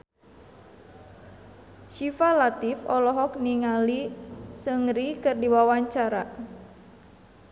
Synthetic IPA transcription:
ʃifalat̪ifɔlɔɦɔk̚niŋalisəŋɾikɨrdiwawaɲt͡ʃaɾa

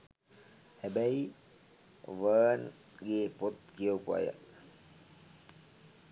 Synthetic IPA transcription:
hɛbæj | ʋəːn | ɡeːpot̪̚kijəwpua̰jə̰

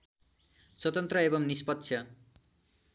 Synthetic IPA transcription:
swʌt̪ʌnt̪rʌebʌmnispʌt̪ːsʰjʌ

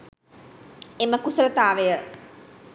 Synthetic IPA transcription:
eməkusəɾət̪aːʋejə

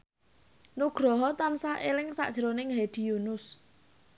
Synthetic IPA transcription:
nuɡ̥ɾɔɦɔt̪ansaʔelɪŋsa̰ʔd̥ʒ̥əɾonɪŋɦed̪̥i̤junʊs

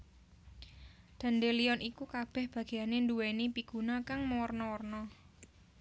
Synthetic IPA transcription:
d̪̥a̤nd̪elijɔnʔikukab̥ɛ̤hb̥ä̤ɡ̥e̤janenduwenipiɡ̥unakaŋmɔɔrnɔɔrnɔ

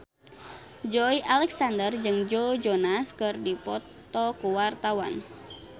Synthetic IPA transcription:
d͡ʒɔiʔalɛksandərd͡ʒɨŋd͡ʒod͡ʒɔnaskɨrdipɔt̪ | ɔkuwart̪awa̰n

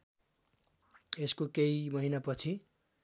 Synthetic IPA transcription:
eskokeimʌɦinapʌt͡sʰi

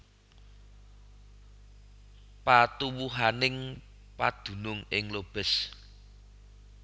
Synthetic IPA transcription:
pat̪uwuɦanɪŋ | pad̪̥ṳnʊŋɪŋlob̥ɛ̤s

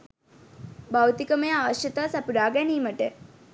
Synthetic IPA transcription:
bawt̪ikəməjəaːʋəʃjət̪aːsapuɾaːɡæniːməʈə

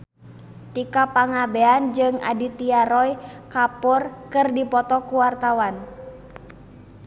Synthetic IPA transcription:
t̪ikapaŋabeand͡ʒɨŋa̰dit̪iaɾɔjkapɔrkɨrdipɔt̪ɔkuwart̪awan

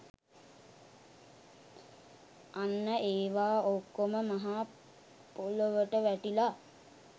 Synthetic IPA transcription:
anːəʔeːʋaːokːoməmaɦaː | poloʋəʈəʋæʈila

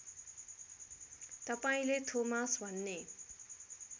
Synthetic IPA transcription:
t̪ʌpaĩlet̪ʰomasbʱʌnːe

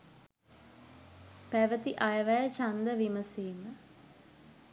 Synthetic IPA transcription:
pæʋət̪iʔajɐʋæjət͡ʃand̪əʋiməsiːmə

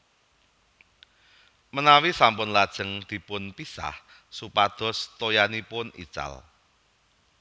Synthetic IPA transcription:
mənawisampʊnlad̥ʒ̥ə̤ŋd̪̥i̤pʊnpisa̰h | supad̪̥ɔ̤st̪ojanipʊnḭt͡ʃa̰l

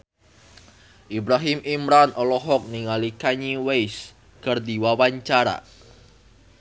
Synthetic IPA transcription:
ʔibɾaɦimʔimɾanʔɔlɔɦɔk̚niŋalikaɲiwejs | kərd̪iwawaɲt͡ʃaɾa̰

